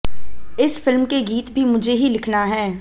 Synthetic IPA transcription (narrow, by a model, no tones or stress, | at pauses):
ɪsfɪlmkeɡiːt̪bʱimʊd͡ʒʱeɦilɪkʰnaɦɛː